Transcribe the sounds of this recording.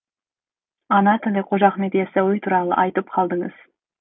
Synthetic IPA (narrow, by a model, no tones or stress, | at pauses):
ɑnɑt̪ʰɪlɪqʰoʒɑqmed̪ijɛsæwujt̪ʰuɾɑlˠə̰ʔɑjt̪ɨp̚qʰɑlˠd̪ɨŋɨ̰z̥